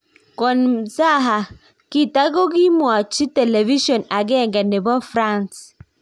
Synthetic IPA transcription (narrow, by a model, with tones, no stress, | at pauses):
kɔ˨nsa˦˨ɦa˨ | ki˦ta˦ɡo˦ɡi˦mwa˨t͡ʃi˦tɛ˨le˨vi˦ʃɔ˨na˨ɡɛ˦˨ŋɡa˨ne˨bɔ˦fɾa˦˨ns